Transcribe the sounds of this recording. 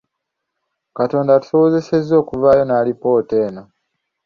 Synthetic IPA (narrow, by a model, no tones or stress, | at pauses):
kato̞ːndatu̥so̞woze̞se̞zːo̞ːkuvaːjo̞naːlipo̞ːte̞ːno